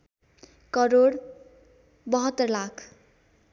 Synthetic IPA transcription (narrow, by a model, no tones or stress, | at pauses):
kʌɾoɽ | bʌɦʌt̪ːʌrlakʰ